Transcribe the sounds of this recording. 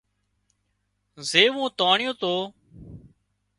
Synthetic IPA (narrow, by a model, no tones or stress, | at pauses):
zeːʋũːt̪aːɳɪjõːt̪oː